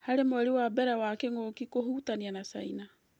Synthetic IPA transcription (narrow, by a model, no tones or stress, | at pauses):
haɾemoɛɾiwabɛɾawakeŋokikoɦutanianasa̰ina